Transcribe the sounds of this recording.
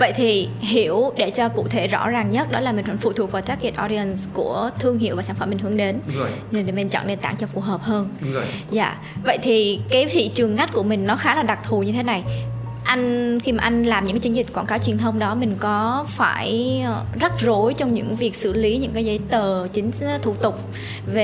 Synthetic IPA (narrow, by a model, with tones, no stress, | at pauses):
və̰˧˨jt̪ʰi˨˩ɦi˧˩əwɗe˧˩t͡ɕɔ˧kṵ˧˨t̪ʰe˧˩zɔ̰˧˥zaː˨˩ŋɲə˦˥t̚ɗɔ˨˦laː˨˩mi̟˨˩faː˧˩fṵ˧˨˩t̪ʰu˨˩ək̚va˨˩t͡ɕaː˦˥k̚ki˧˩ənʔɔ˧ɗi˧ə˨˩nsku˧˩ət̪ʰɨ˧əŋɦḭ˧˨əvaː˨˩saː˧˩fə˧˩mːi˨˩ŋ̟hɨ˨˦əŋɗe˨˦nɲ˧˩ɗe˨˧˩mi˨˩ŋt͡ɕɔ̰ː˧˩ne˧nt̪a̰ː˧˩ŋt͡ɕɔ˧fu˨˩ɦəː˨˩p̚həː˧nza̰ː˧˨ | və̰˧˨jt̪ʰi˨˩kaː˨˦jt̪ʰḭ˧˨t͡ɕɨ˨˩əŋŋa˦˥t̚ku˧˩əmï˨˩ŋ̟nɔ˨˦xaː˨˦laː˨˩ɗa˨˩k̚t̪ʰu˨˩ɲɨ˧t̪ʰe˨˦na˨˩j | ʔa˧jŋ̟xi˧maː˨ʔa˧jŋ̟laː˨˩mɲɨ̰˧˥ŋkːa˨˦t͡ɕɨ˨˦ŋzi̟˨˩kwaː˧˩nkaː˨˦wt͡ɕwi˨˩ənt̪ʰə˧wŋ͡mɗɔ˨˦mï˨˩ŋ̟kɔ˨˦fa̰ː˧˩jzə˦˥t̚zo˨˦jt͡ɕɔ˧wŋ͡mɲɨ̰˧˥ŋvi˨˩ək̚sɨ̰˧˩li˨˦ɲɨ̰˧˥ŋkaː˨˦jzə˨˦jt̪əː˨˩t͡ɕï˨˦ŋ̟t̪ʰṵ˧˩t̪ʊ˨˩k͡p̚ | ve˨˩